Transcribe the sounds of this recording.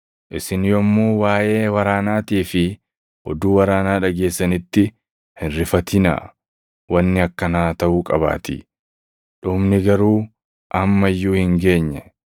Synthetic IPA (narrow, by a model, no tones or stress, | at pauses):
ʔɪsɪnjɔmːuːwaːʔe̞ːwɐɾaːnaːt̪iːfɪ | ʔɔ̰d̪uːwɐɾaːnaːᶑɐɡe̞ːsːɐnɪt̪ːɪ | hɪnɾɪfɐt̪ɪnɐ̰ | wɐnːɪɐkːɐnaːt̪ɐʔuːkʼɐ̰ba̰ːt̪ɪ̰ | ᶑʊmnɪɡɐɾuː | ʔɐmːɐjːuːhɪŋɡe̞ːɲːɛ